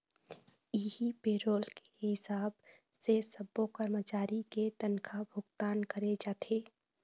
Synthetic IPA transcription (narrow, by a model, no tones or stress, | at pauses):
iɦipeɾoːlke̥ɦɪsaːb | sesəbːokəɾmət͡ʃaːɾiket̪ənkʰabʱʊɡt̪aːnkəɾed͡ʒaːt̪ʰe